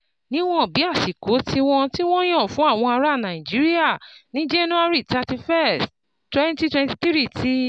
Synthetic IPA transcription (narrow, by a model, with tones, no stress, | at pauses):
nĩ˨˦w̃ɔ̃˦˨bi˨˦a˦˨ʃi˨ko˨˦tʰi˧w̃ɔ̃˧ti˦w̃ɔ̃˦j̃ɔ̃˦˨fũ˨˦a˦˨w̃ɔ̃˧a˧ɾa˦˨nã˨i˨d͡ʒi˨˦ɾi˦a˦˨nĩ˨˦d͡ʒe˦nũ˦a˦ɾi˦˨ta˧ti˧fɛ˦˨ss | twɛ̃˦nti˦twɛ̃˧nti˧t̪ɾi˦˨ti˦